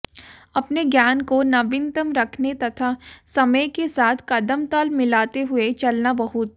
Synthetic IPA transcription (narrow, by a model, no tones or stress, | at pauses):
ɐpneɡjaːnkonɐʋɪnt̪əmɾɐkʰnet̪ɐt̪ʰasɐməjkesaːt̪ʰkɐd̪əmt̪əlmɪlaːt̪eɦʊet͡ʃɐlnabɐɦʊt̪̚